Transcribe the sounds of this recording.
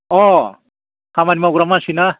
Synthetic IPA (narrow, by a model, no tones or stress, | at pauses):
ɔ | kamanimawɡɾamasina